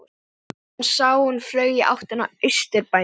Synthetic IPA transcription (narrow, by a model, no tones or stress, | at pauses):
nsaːwʏnflœːɥjɪʔa̰wht̪hɛnːaʏɥst̪ʏɾpa